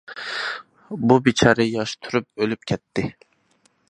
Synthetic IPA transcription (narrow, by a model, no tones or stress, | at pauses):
bubit͡ʃʰɑːɾɨjɑʃt̪ʰuɾyp̚ølyp̚kʲʰɛt̪ːɪ